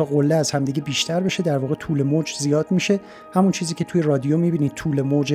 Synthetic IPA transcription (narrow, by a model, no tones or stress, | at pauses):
ɒːɣolːeæzhæmd̪iɟebiːʃt̪ʰæɾbe̞ʃe̞d̪æɾvɒːɣet̪ʰuːle̞moːd͡ʒzijɒːd̪miːʃe̞ | hæmunt͡ʃʰiːziːcʰe̞t̪ʰuje̞rɒːd̪ijomibiːniːd̪̚t̪ʰuːle̞moːd͡ʒe